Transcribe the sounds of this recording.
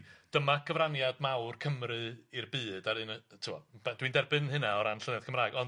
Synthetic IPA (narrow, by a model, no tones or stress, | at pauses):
d̥əmakʰəvranjadmawrkʰəmrɨirbɨːd̥aɾɨntʰuɔ̰bɛd̥windɛrbɨnɦɨnaɔɾanɬənɛð̥kʰəmraːɨɡɔn